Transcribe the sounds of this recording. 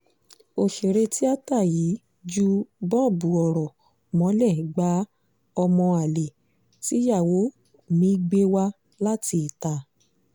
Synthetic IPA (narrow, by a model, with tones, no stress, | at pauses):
o˨ʃe˨ɾe˧ti˦a˦ta˦˨ji˨˦ | d͡ʒu˦bɔ˦˨bu˨ɔ˨ɾɔ˨ | mɔ̃˨˦lɛ˦˨ɡ͡ba˨˦ | ɔ˧mɔ̃˧a˨le˨ | ti˦ja˦˨wo˨˦˨ | mĩ˨˦i˦ɡ͡be˦wa˧ | la˦ti˧˨ta˧˦